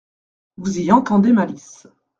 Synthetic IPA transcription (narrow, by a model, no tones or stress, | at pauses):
vuziɑ̃t̪ɑ̃d̪emalis